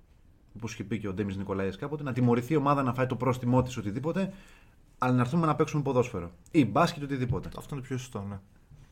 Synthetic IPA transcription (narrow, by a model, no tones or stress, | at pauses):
oposçepice̞o̞d̪e̞mizniko̞lɐieskɐpo̞t̪e̞nɐt̪imo̞ɾiθio̞mɐðɐnɐfɐit̪o̞pɾo̞st̪imo̞t̪i̥so̞t̪iðipo̞t̪e̞ | ɐlɐnɐɾθume̞nɐpeksumepo̞ðo̞sfe̞ɾo̞ | ibɐscet̪oiðipo̞t̪e̞ɐ̰ft̪ont̪opçost̪one